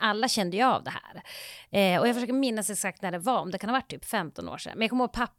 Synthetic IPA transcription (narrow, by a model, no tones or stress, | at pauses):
alːaɕɛnd̪əjʊa̰vd̪ɛhæ̰ːɾɛɔjaɡfœʂøːkəɾmɪnːasɛsak̚t̪næɖɛvaɔmd̪ɛkʰanhavaʈ̚ʰːt̪yːpfɛmt̪ɔno̰ːʂɛ̰nmɛnjakʰɔmhoːɡ̚pʰapː